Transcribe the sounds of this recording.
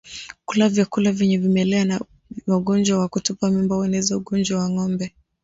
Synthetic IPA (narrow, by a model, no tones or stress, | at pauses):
kulavjakulavjɛɲɛvimɛlɛana | waɠɔnd͡ʒwawakutupamimbawɛnɛzauɠɔnd͡ʒwawaŋɔmbɛ